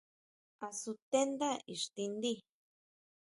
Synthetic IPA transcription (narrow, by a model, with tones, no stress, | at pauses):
a˨su˧t̪e˦nd̪a˦ḭ˨ʂt̪i˧nd̪i˦